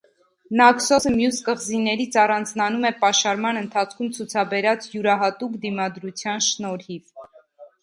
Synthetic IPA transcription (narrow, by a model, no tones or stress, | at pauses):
nɑksɔsəmjuskəʁzinɛɾit͡sʰɑrɑnd͡znɑnumɛpɑʃɑɾmɑnənt̪ʰɑt͡sʰkʰumt͡sʰut͡sʰɑbɛɾɑt͡sjuɾɑɦɑt̪ukd̪imɑd̪ɾut͡sʰjɑnʃnɔɾhiv